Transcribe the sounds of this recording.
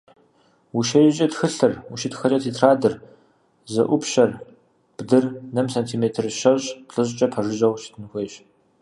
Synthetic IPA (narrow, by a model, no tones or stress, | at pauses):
wuʃɐjt͡ʃʼɐtxɨɬɨruʃitxɐrʼɐtʰiːtʰraːdɨr | zɐ̰ʔʷʊpɕɐr | b̥dɨrnɐmsɐntʰimeːtʰɨrʃɐɕɬʼɨʑʼt͡ʃʼɐpʰɐʐɨʑʼɐwʃi̥tʰɨnɨxʷeːɕ